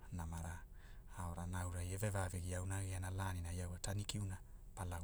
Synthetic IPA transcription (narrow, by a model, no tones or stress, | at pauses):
namaɾa | aoɾanawɾajevevaveɡiawnaɣianalaninajawatanikiunapala